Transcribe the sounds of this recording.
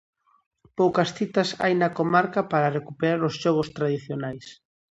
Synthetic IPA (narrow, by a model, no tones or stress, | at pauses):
powkɐsθit̪ɐsa̰jnɐkomaɾkapaɾarekupeɾaɾosʃɔɣ̞ost̪ɾaðiθjonajs